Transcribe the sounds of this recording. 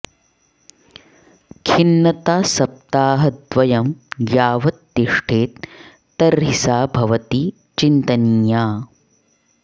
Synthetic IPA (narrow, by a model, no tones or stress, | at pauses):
kʰinːɐt̪aːsɐp̚t̪aːɦɐt̪ʋɐjɐmjaːʋɐt̪ːiʂʈʰeːt̪ː | ɐɾɦisaːbʱɐʋɐt̪i | t͡ʃint̪ɐnjaː